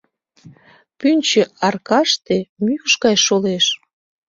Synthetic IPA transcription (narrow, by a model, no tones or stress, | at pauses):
pynʲt͡ɕĕɑrkɑʃt̪emyəʃɡɑjʃoleʃ